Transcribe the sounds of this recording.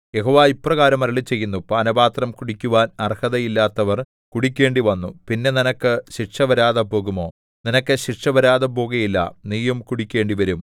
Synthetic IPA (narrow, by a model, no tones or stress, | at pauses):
je̞ɦoːʋaːipːrɐɣaːɾɐmɐɾɐɭit͡ɕːe̞jːunːupaːnɐbaːt̪rɐmkuɽikʲːuʋaːnɐrhɐðɐjilːaːt̪ːɐʋɐr | kuɽikʲːe̞ːɳɖiʋɐnːupinːe̞ninɐkːɨɕiʈʂɐʋɐɾaːðɐpo̞ːɣumo̞ː | ninɐkːɨɕiʈʂɐʋɐɾaːðɐpo̞ːɣɐjilːɐ̰niːjɐmkuɽikʲːe̞ːɳɖiʋɐɾum